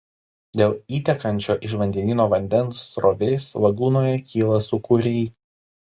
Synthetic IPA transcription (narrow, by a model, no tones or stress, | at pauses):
d̪ʲeːlˠiːt̪ʲɛkɐnʲt͡ʃʲoːʔɪʃʋɐnʲd̪ʲɛnʲiːnoːʋɐnʲd̪ʲɛnsːɾoːʋʲɛɪslɐɡuːnoːjɛkʲiːlˠɐsʊkʊɾʲɛɪ